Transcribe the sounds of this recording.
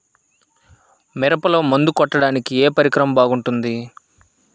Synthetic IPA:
miɾɐpɐlɐmund̪ukɔʈːɐɽaːnikieːpɐɾikɾɐmɐbaːɡuɳʈund̪i

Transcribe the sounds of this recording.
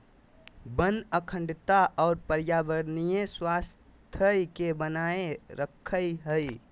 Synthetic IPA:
bə̃nd̪əkʰə̃ɳɖt̪aʔɔːɾpəɾjaːʋəɾnijẽswaːs | t̪ʰəjkebənaːeɾəkʰːəjɦəi

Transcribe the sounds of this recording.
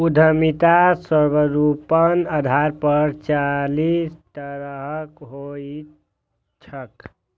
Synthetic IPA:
ud̪ʱəmit̪asəɾbəɾupənəd̪ʱaɾpəɾt͡ʃalist̪əɾɦəkɦoi | t͡ʃʰək

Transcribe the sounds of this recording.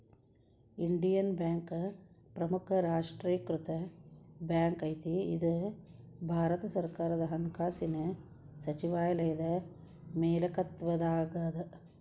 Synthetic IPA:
iɳɖijɐnbjaːŋkpɾɐmukʰɐɾaːʂʈɾiːɐkɾut̪ɐbjaːŋkɐjt̪iḭd̪u | bʱaːɾɐt̪ɐsɐɾkaːɾɐd̪ɐɦɐŋkaːsinɐ | sɐt͡ʃiʋaːjɐlɐjɐd̪ɐ | meːlɐkɐt̪ʋɐd̪aːɡɐd̪ɐ

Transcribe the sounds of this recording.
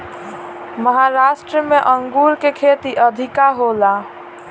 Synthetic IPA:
məɦaɾasʈɾəmeʔəŋɡuɾkekʰet̪iʔəd̪ʱikaɦola

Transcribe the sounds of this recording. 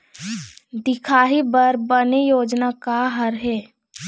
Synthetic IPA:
d̪ɪkʰaːɦibəɾbənejoːd͡ʒnakaɦəɾɦɛː

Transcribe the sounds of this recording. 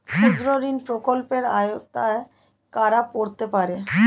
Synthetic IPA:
ʃud̪ɾoɾinpɾokolpeɾajot̪ae | kaɾapoɾt̪epaɾe

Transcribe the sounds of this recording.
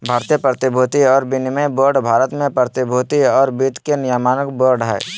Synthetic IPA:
bʱaːɾt̪ijepɾət̪ɪbʱuːt̪iɔːɾbɪnɪməjboːɾɖbʱaːɾət̪mẽpɾət̪ɪbʱuːt̪iɔːɾbiːt̪kenɪjamaːnəkboːɾɖɦɛ̰ː

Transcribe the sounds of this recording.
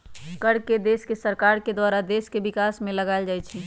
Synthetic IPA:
kəɽked̪eːskesəɾkaːɾked̪waːɾad̪eːskebɪkaːsmẽləɡaɪld͡ʒaːjt͡ʃʰi

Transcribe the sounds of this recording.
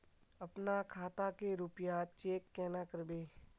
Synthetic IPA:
ɐpnakʰaːt̪akeɾʊpjat͡ʃeːkːɛːnakəɾbeː

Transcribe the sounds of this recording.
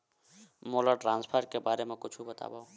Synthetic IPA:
moləʈɾãnspʰəɾkebaɾemẽkʊt͡ʃʰubət̪a̰baũ

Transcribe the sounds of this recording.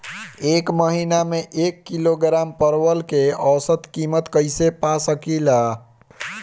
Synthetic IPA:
ekməɦinameʔekːiloɡɾampəɾʋəlkeəsət̪kimət̪kəjsepasəkila

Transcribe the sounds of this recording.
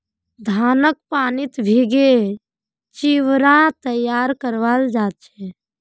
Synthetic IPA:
d̪ʱaːnək̚paːnit̪bʱiɡe | t͡ʃiʋɾãt̪əjaːɾkəɾʋaːld͡ʒaːt̪̚t͡ʃʰɛ

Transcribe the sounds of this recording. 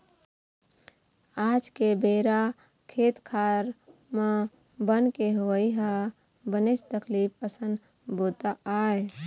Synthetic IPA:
aːd͡ʒkebeːɾa | kʰeːt̪kʰaːɾme | bənkeɦoːiɦə | bənet͡ʃt̪əkliːpəsən | boːt̪aʔaːe

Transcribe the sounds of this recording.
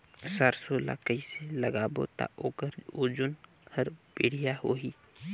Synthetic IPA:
saːɾsola̰ːkəiseləɡaːbo̰t̪a̰ʔoːkəɾoːd͡ʒʊn | hʰəɾbeɽ̤ijaɦoːɦiː

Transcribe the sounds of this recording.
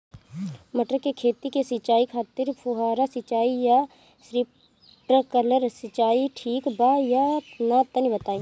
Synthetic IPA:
mɐʈɾəkekʰeːt̪ikesɪt͡ʃaːikʰaːt̪ɪɾpʰʊɦaːɾasɪt͡ʃaːija | sɾɪp | ʈəkələɾsɪt͡ʃaːiʈʰiːkbajanat̪ənibɐt̪aːi

